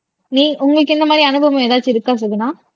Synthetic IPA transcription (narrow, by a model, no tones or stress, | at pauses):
niːʔʊŋɡɐɭɯkːɪnd̪ɐmaːd̪ɾiɐnɯbɐʋɐ̃eːðaːɾt͡ʃːɯɪɾɯkːaːs̬ɐðɯnãː